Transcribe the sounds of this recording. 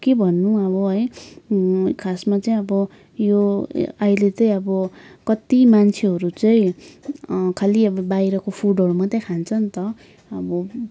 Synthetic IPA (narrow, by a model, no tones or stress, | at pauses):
kebʱʌnːuʌbʌɦʌj | kʰasmat͡sʌĩʌbʌ | joailet͡sʌĩʌbʌkʌt̪imant͡sʰeɦʌɾut͡sʌjĩ | kʰaliʌbʌbajɾʌkopʰuɖʱʌɾumat̪akʰant͡sʰʌnt̪ʌ | ʌbʌ